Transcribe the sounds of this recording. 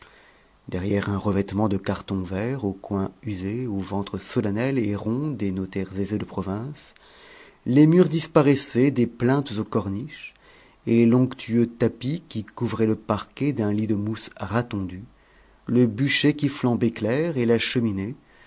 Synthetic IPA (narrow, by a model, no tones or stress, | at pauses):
d̪ɛʁjɛʁɛ̃ʁəvɛt̪mɑ̃d̪əkaʁt̪ɔ̃vɛʁokwɛ̃yzeovɑ̃t̪χəsɔlanɛleʁɔ̃d̪enot̪ɛʁzezed̪əpχɔvɛ̃s | lemyʁd̪ispaʁɛsɛd̪eplɛ̃t̪zokɔʁniʃ | elelɔ̃kt̪ʰyøt̪apikʲikuvʁɛləpaʁkʲɛd̪ɛ̃lid̪əmusʁat̪ɑ̃d̪y | ləbyʃekʲiflɑ̃beklɛʁelaʃəmine